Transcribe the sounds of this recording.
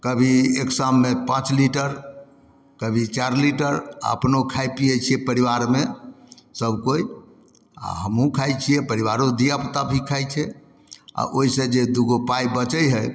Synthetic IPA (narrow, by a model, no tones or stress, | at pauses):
kəbʱieksamːepãt͡ʃliʈəɾ | kəbʱit͡ʃaɾliʈəɾa̰ə̰pnokʰajpijɛt͡ʃʰiɛpəɾiʋaɾme | səbkoj | a̰ɦəmɦũkʰajt͡ʃʰijɛpəɾiʋaɾod̪ijapt̪abʱikʰajt͡ʃʰɛ | a̰ʔoɦisẽd͡ʒed̪uɡopajbət͡ʃəjɦəj